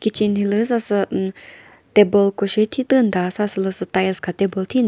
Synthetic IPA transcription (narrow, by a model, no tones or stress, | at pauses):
kit͡ʃint̪ʰiləsasɨ | t̪ebolkoʃet̪ʰit̪ɨnd̪asasɨləsɨt̪ajəskʰat̪ebolt̪ʰin